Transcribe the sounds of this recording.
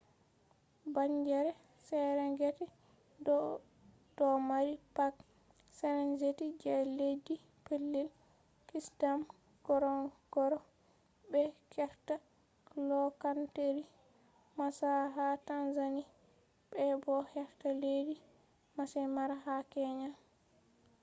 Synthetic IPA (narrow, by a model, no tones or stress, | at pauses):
baɲd͡ʒɛɾɛ | sɛɾɛŋɡɛtɛ | dɔ | d̥ɔmaɾipak | sɛɾɛnd͡ʒetid͡ʒɛledi | pelːil | kisdam | ɡ̥ɔɾɔɡ̥ɔɾɔ | bɛkɛɾta | lɔkanteɾi | masaɦatanzani | bɛbɔhɛftaledi | masɛmaɾahakɛɲa